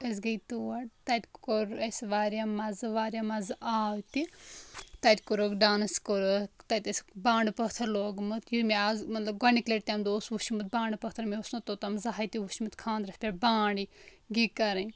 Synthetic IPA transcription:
ɐs̬ɡɐjt̪uɐɽt̪ɐt̪ʲkoɾesʋaːɾjamɐzʋaːɾʲjamɐzaːʋt̪i | t̪ɐt̪ʲkoɾokɖaːnɨskoɾot̪ɐt̪ʲɐsbãːɳɖpɐt̪ʰɐɾloːɡmɨt̪jumeazmɐt̪lɐbɡɐnikleʈ̚t̪ʲemd̪oosʋuʃimɨt̪̚bãːɳɖpɐt̪ʰɐɾmeosnɐt̪ot̪ɐmzaɦajt̪iʋuʃimɨt̪kʰãːnd̪ɾɐsʲpʲebãːɳɖiɡikɐɾɐ

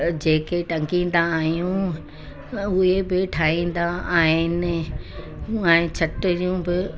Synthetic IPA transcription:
d͡ʑeːkeʈɐ̃ŋkĩːnd̪aːɦijũ | ʊɦebɪʈʰaːɦĩːn̆d̪aaːɦɪnɪ̆ | ɛ̃ːt͡ɕʰɐʈɪɾijũbɪ

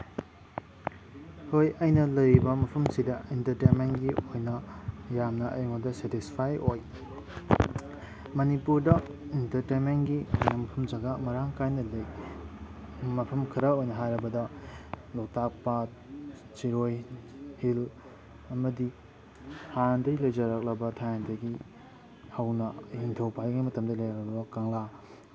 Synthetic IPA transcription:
hojɐjnɐlɐjɾibɐmɐpʰɐmsidɐintɐɾtenmenɡiojnɐjamnɐʔɐ̰jŋodɐsetispʰajoj | mɐnipuɾdɐ | intɐɾtenmenɡiojnɐmɐpʰɐmd͡ʒɐɡɐmɐɾaŋkʰajnɐlɐj | mɐpʰɐmkʰiɾɐojnɐɦajɾɐbɐdɐlok̚tak̚pa | t͡ʃiɾojhil | ɐmɐdi | hʰajandɐjlɐjd͡ʒɐɾak̚lɐbɐtʰajandɐjɡi | hɐwnɐhintʰowpajɡimɐtɐmdɐlɐjaɾɐbɐokaŋla

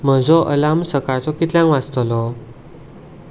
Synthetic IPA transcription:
m̤əd͡zɔʔəlamsəkaɾt͡sɔkit̪ljãŋʋat͡st̪lɔ

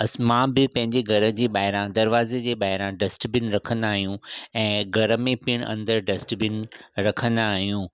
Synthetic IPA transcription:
ɐsmãːbɪpɐ̃ɦɪ̃ɲd͡ʑeɡʱɐɾə̆d͡ʑeːɓaːɦɪɾãd̪ɐɾʋaːzed͡ʑeːɓaːɦɪɾãɖɐsʈbɪnɪ̆ɾɐkʰə̃nd̪aːɦijũɛ̃ːɡʱɐɾəmẽpɪɽ̃ɐ̰̃nd̪əɾɖɐsʈbɪnɪ̆ɾɐkʰə̃nd̪aːɦijũː

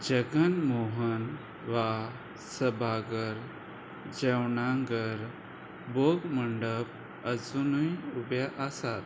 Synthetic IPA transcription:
d͡ʑəɡənmoɦən | ʋa | səbʱaɡəɾ | d͡ʑewnaŋɡəɾ | boɡməɳɖəp̚ | əd͡zunujubjaʔasat̪

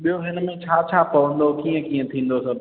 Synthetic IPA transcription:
ɓijoɦɪnmẽt͡ɕʰaːt͡ʃʰaːpɐʋə̃nd̪okiːə̃kiːə̃t̪ʰĩːn̆d̪osɐb

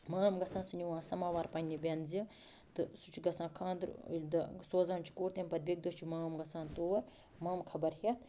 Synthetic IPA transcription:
maːmɡɐsãːnsɨnʲiwãːsɐmaːʋaːɾpɐnʲnːibʲenzi | t̪ɨsut͡ʃʰɡɐsãːkʰãːnd̪ɾ̰lʲd̪ɐsoːzaːnt͡ʃʰi̥koːɾt̪emʲpɐd̪̚biɡ̚d̪ot͡ʃʰimaːmɡɐsãːnt̪oːwɐɾ | mɐːmkʰɐbɐɾhet̪̚ʰ

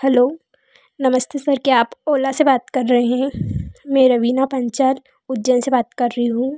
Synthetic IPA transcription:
hɛloː | nɐməst̪esɐɾkeaːpoːlasebaːt̪kɐɾːɐɦeɦɛ̃ːmɛ̃ːɾɐʋiːnapɐ̃ɲt͡ʃaːl | ʊdd͡ʒənsebaːt̪kɐɾːɐɦiɦũː

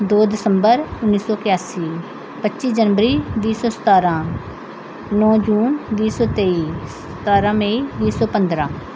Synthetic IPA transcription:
d̪oːd̪ɪsəmbəɾʊnːiːsɔːkɪjaːsiː | pətːʃiːd͡ʒənʋəɾiːd̪iːsɔːsə̥t̪aːɾãː | nɔ̃ːd͡ʒuːnd̪iːsɔːt̪eːiːs | ə̥t̪aːɾãːmẽːid̪iːsɔːpənd̪ɾãː

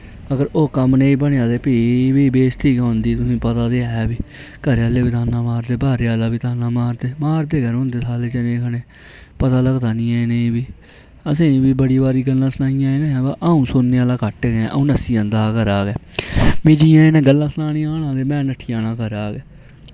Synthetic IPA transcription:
əɡəɾoːkəmneĩːbəɳeãːd̪eːpibiːbeːst̪ʰiːkɦond̪iːt̪ʊsĩːpət̪aːd̪eːɦɛːbiːkəɾaːleːbiːt̪ʰaːnãːmaːɾd̪eːbaːɾaːlaːbiːt̪ʰaːnãːmaːɾd̪eːmaːɾd̪eːɡəɾɦõnd̪eːsʰaːleːt͡ʃənẽːkʰəɽeː | pət̪aːləɡd̪aːnĩːaːeːneĩbiː | əsĩːbiːbəɽiːbaːɾiːɡəlːãːsənaːijãːẽːnẽːbaːʔaːũːsʊnːeːaːlaːkəʈːɡɛ̃ʔə̰ũːnəsiːə̃nd̪aːkəɾaːɡɛːmiːd͡ʒijãːẽnɛ̃ːɡəlːãːsənaːnĩːaːñãːd̪eːmɛ̃ːnəʈʰːiːaːnãːkəɾaːɡɛː

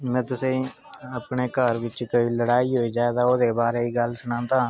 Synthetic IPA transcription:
mɛ̃ːt̪ʊsẽ | əpnekaːɾʋɪt͡ʃkoiləɽaːiɦoːid͡ʒjaːd̪aːoːd̪ebaːɾeiɡəlsʊnãːnt̪aː

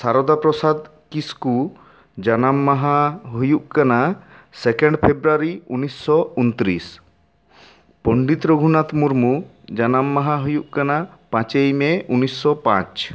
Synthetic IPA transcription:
saɾɔd̪apɾɔsad̪ | kisku | d͡ʒanamːaɦaɦujuʔkanasɛkɛ̃ɳɖpʰebɾaɾiunːisːɔunt̪ɾis | pɔɳɖit̪ɾoɡʱunat̪muɾmu | d͡ʒanamːaɦaɦujuʔkanapãt͡ʃejmeunːisːɔpã̰t͡ʃ

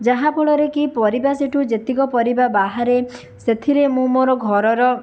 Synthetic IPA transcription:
d͡ʒaɦapʰɔɭɔɾekipɔɾibaseʈʰud͡ʒet̪ikɔpɔɾibabaɦaɾe | set̪ʰiɾemũmoɾɔɡʱɔɾɔɾɔ

